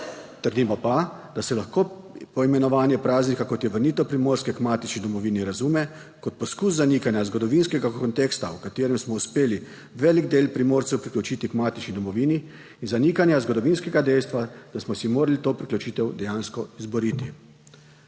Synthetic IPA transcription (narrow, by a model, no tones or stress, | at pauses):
t̪əɾd̪imɔpa | d̪̥asɛlaxkoː | pɔimɛnɔʋaːnjɛpɾaːznikakɔt̪jɛʋəɾniːt̪ɛwpɾimoːɾskɛkmaːt̪it͡ʃnid̪ɔmɔʋiːniɾazumɛ | kɔt̪̚pɔskus̬zanikanjazɡɔd̪ɔʋinskɛɡakɔnt̪eːkst̪a̰wkat̪eːɾɛmsmɔuspeːli | ʋɛːliɡd̪eːlpɾimoːɾtsɛwpɾiklʲut͡ʃiːt̪ikmaːt̪it͡ʃnid̪ɔmɔʋiːniː | nzaniːkanjazɡɔd̪ɔʋiːnskɛɡad̪ɛjst̪ʋad̪̥asmɔsimoːɾalit̪oːpɾiklʲut͡ʃiːt̪ɛwd̪ɛjaːnskɔizbɔɾiːt̪i